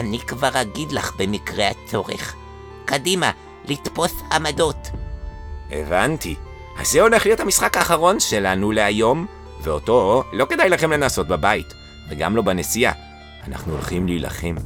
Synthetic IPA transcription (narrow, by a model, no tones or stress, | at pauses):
anikvaʁaɡidlaχbe̞mikʁeat͡so̞ʁḛχ | kadima | litpo̞samado̞t | ʔe̞̰vanti | ha̰zeo̞leχlijo̞thamisχakaːχaʁo̞nʃe̞lanule̞ajo̞m | veo̞to̞loke̞dajlaχe̞mle̞naso̞t̚babajit | veɡa̰mlo̞bane̞sija̰ | ana̰χnuolχimliːla̰χe̞m